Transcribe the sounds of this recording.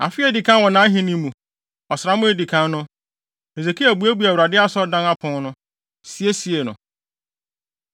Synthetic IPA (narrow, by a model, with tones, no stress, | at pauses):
a̰˨fɪ˦ɛ˦di˨kʰã˦wɔ̃˨nã˨˦ɦĩ˦nĩ˦mũ˨ | ɔ˨sɾa˨˦mʊ̃˦e˦di˨kʰã˦nnʊ̃˦ | e˨ze˨kʰi˦æ˨bu˨˦æ˦bu˦æ˨wu˨ɾa˨dɪ˦a˦sɔ˦dã˦na˦pʰʊ̃˨˦nʊ̃˦ | si˦e˦si˨e˨nʊ̰̃˨